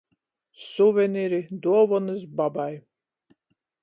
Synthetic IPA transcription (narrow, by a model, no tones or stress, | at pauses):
suvʲɛniɾid̪uɔvɔnɨsbabaj